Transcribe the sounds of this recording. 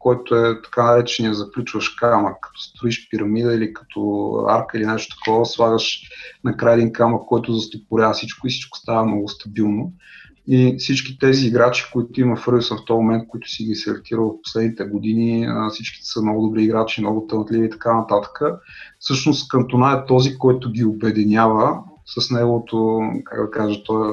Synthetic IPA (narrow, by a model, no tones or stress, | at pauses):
kɔjt̪ʊɛt̪ɐ̥kanɐɾɛt͡ʃɛnijəzɐklʲut͡ʃvəʃkaməkkːɐ̥t̪ɔ̥st̪ɾʊiʃpiɾɐmid̪əilikɐ̥t̪ʰɔ̰a̰ɾkəilinɛʃt̪ʊt̪ɐ̥kʰɔvəsvˠaɡəʃnɐkɾajəd̪inkaməkːɔjt̪ʊzɐst̪opʊɾʲavəsit͡ʃkʊisi̥t͡ʃkʊ̥st̪avəɐmnɔɡʊst̪ɐbilˠno | ifsit͡ʃkʲit̪ɛziːɡɾat͡ʃi̥koit̪ʊimɐfɾusənft̪ɔmomɛnt̪̚koit̪ʊ̥siɡʲisɛɐ̰ɾt̪iɾəlˠvɐfpo̥slɛd̪nit̪ɛɡʊd̪iniəfsit͡ʃki̥t̪səmnɔɡʊd̪ʊbɾiːɡɾat͡ʃimnɔɡʊt̪ənət̪lʲiviːt̪ɐ̥kanɐt̪at̪ə̥kəfsɤʃnʊst̪kɐnt̪onaɛt̪ɔzikɔjt̪ʊɡʲiobɛd̪inʲavə | səsnɛɡʊvot̪oka̰ɡd̪ɐkaʒət̪ɔj